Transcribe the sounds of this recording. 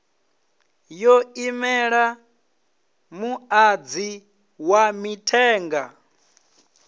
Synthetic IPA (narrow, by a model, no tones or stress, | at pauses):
jɔimɛɺa | muad͡zi | wamitʰɛːŋɡa